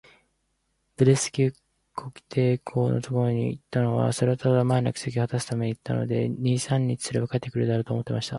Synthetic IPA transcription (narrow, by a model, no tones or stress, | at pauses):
b̥ɯ̟ɾesɨ̥kʲi | kʰo̞ki̥t̪e̞ːkʰo̞ːno̞̰t̪o̞ko̞ɾo̞ɲ̟ḭit̪ːano̞βa̰soɾat̪adamanakɯ̟̥sek̬ʲihat̪asɨ̥t̪ame̞ɲ̟iit̪ːa̰no̞̰d̪e̞̰ɲʲiːsãɲ̟ʲːit͡ɕi̥sɨɾeβakaet̪ːe̞kɯ̟ɾɯd̪eaɾot̪oːmo̞t̪ːemaɕi̥t̪a